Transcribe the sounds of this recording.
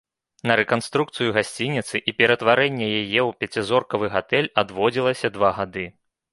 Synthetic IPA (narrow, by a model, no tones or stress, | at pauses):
nɐɾɛkanst̪ɾukt̪sɨjuɣasʲt͡sʲinʲit̪sɨʔipʲɛɾɐt̪vaɾɛnʲːɛjajɛwpʲat͡sʲizɔrkɐvɨɣat̪ɛlʲad̪vɔd͡zʲilˠɐsʲɐd̪vaɣad̪ɨ